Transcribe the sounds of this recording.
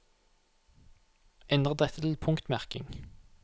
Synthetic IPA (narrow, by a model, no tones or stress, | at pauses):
ʔɛnd̪ʁəd̪ɛt̪ʰːət̪ʰɪlpʰʊŋkt̪mæʁkɪ̰ŋ